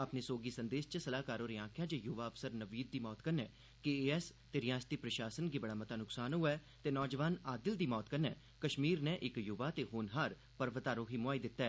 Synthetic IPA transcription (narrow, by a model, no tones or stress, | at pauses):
əpneːsoːɡiːsənd̪eːst͡ʃəsəlaːkaːɾõːɾiːãːkʰɪjãːd͡ʒejʊʋaːəfsəɾnəʋiːd̪̚d̪iːmɔːt̪kənɛː | kieːɛst̪eːɾɪjaːst̪iːpɾəʃaːsənɡiːbəɽaːmət̪aːnʊksaːnɦʊɛː | t̪eːnɔːd͡ʒəʋaːnaːd̪ɪld̪iːmɔːt̪kənɛ̰ː | kəʃmiːɾnɛːʔɪkjʊʋaːt̪eːɦoːnɦaːɾ | pəɾʋət̪aːɾõːɦiːmʊaːiːd̪ɪt̪ːɛː